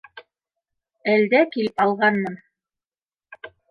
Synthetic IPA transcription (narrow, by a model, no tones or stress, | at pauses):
æld̪ækilɘpɑlˠʁɑnmɤn